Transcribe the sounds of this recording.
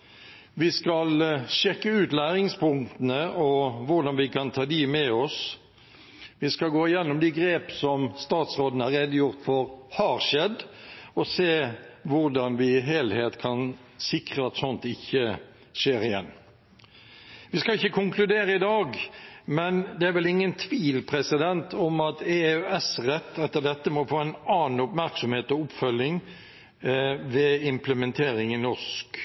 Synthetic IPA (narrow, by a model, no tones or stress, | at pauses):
ʋɪskɑlʂɛkːəʉːt̪læːɾɪŋspʰʊŋt̪ənəʔɔʋʊʁd̪ɑnʋɪkʰɑnt̪ʰɑːd̪imɛɔs | ʋɪskɑlɡoːɪjɛnːʊmd̪iɡɾeːpəsɔmst̪ɑːt̪sʁoːd̪nəhɑʁɛd̪ːəjʊʁt̪fɔɾhɑːɾʃɛd̪ɔseːʋʊʁd̪ɑnʋɪɪɦeːlheːt̪kʰɑn | sɪkʁəɑt̪sɔnt̪ɪçːə | ʂeːɾɪjɛnː | ʋɪskɑɪçːəkʰʊŋkʰlʉd̪eːɾəɪd̪ɑːɡmɛnd̪ɛæɾʋɛlɪŋːənt̪ʰʋiːlpʰɾɛsɪd̪ɛnt̪ʰɔmɑt̪eøɛsɾɛt̪ːɛt̪ːəd̪ɛt̪ːəmɔfoːæɪnɑːn̩ʊpmæɾksɔmheːt̪ɔʊpːfœljɪŋ | ʋɛɪmpləmɛnt̪ʰeːɾɪŋɪnɔʂk